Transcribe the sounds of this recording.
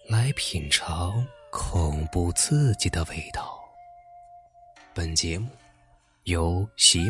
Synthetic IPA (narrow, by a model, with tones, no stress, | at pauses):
la˧˥ɪpʰi˨˩nʈ͡ʂʰɑ˧˥ʊkʰʊ˨˩ŋpu˥˧t͡s̩˥˩t͡ɕi˨˩d̪ə˦we˥˩ɪt̪ɑ˥˩ʊ | pə˨˩nt͡ɕjɛ˧˥mu˥˩ | jo˨˧˥ʊɕɛ˧˥